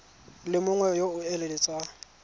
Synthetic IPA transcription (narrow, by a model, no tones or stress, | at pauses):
lɪmʊŋwɛjoʊɛlelɪt͡sʼa